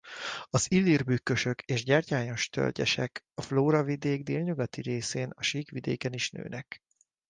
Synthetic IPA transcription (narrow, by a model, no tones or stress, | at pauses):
ɒzilːirbykːø̞ʃø̞kʰeːʒɟɛrcaːjo̞ʃt̪ʰø̰rɟɛ̰ʃɛk | ɒfloːɾɒvid̪eːɡd̪eːlɲuɡɒt̪iɾeːseːnɒʃiːkʋid̪ḛːkɛniʃnø̰ːnɛk